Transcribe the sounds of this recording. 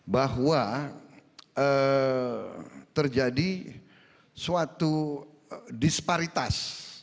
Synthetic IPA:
baɦwa | ə | t̪ərd͡ʒadi | suat̪u | dispaɾit̪as

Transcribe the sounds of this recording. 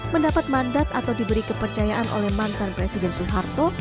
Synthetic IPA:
məndapat̪̚mandat̪̚at̪awdibəɾikəpərt͡ʃajaʔanʔo̰lɛhmant̪anpɾɛsidɛnsuɦart̪o

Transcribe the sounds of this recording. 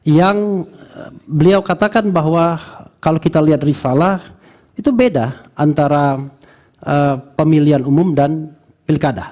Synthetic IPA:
jaŋ | bəliawkat̪akanbaɦwakalokit̪aliɦat̪̚risalah | it̪ubedaʔant̪aɾa | ʔəpəmilianumʊmdan | pilkada

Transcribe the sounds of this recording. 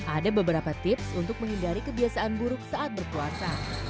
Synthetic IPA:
ʔadabəbəɾapat̪ɪpsunt̪ʊk̚məŋɦindaɾikəbiasaʔanbuɾʊk̚saʔat̪̚bərkuasa

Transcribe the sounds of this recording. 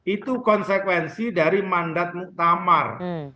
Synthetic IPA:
ʔit̪ukɔnsɛkwɛnsidaɾimandat̪̚muʔt̪ama̰r

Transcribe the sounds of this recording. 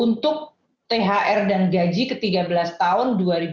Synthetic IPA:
unt̪ʊk̚ | t̪eɦaʔɛrdanɡad͡ʒikət̪iɡabəlast̪aʊnduaɾib

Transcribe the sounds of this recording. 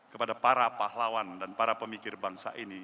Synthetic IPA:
kəpadapaɾapaɦlawandanpaɾapəmikɪrbaŋsa̰ʔini

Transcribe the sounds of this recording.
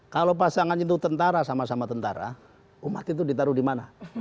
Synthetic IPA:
kalop̬asaŋanint̪ut̪ənt̪aɾasamasamat̪ənt̪a̰ɾa̰ | umat̪it̪̬udit̪aɾudimana

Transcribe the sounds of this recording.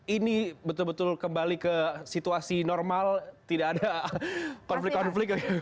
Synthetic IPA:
inibət̪ʊlbət̪ʊlkəmbalikəsit̪uasinɔrmalt̪idaːda | kɔnflɪkkːɔnflɪk̚ɡa

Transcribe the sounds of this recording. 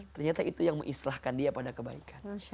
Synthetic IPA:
t̪ərɲat̪aʔit̪ujaŋmə̰ŋʔislahkandiapadakəbaikʰan

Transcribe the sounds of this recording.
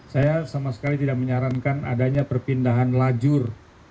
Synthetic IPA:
sajasamasə̥kalit̪idak̚məɲaɾankana̰daɲapərpindaɦanlad͡ʒʊr

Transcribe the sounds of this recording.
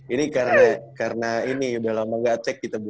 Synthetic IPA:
inikarnakaɾənainibalamaɡat̪ɛkːit̪abu

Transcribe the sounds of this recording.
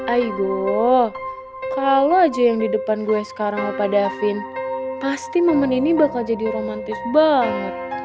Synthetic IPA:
ʔajɡo | kaload͡ʒajaŋdidəpanduɛsə̥kaɾaŋapadafɪnpast̪iməməninibakald͡ʒadiɾomant̪ɪsbaŋət̪̚

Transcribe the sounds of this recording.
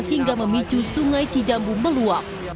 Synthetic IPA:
hiŋɡaməmit͡ʃusuŋajtid͡ʒambuməluak̚

